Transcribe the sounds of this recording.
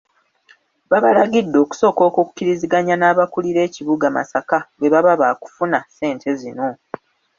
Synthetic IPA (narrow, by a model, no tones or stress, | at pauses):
βaβalaɡidːo̞ːku̥so̞ːko̞ːkuku̥cːiɾiziɡaɲanaːβakuliɾe̞ːciβuɡama̰sakawe̞βaβaβaːku̥funase̞ːntʰe̞zino̞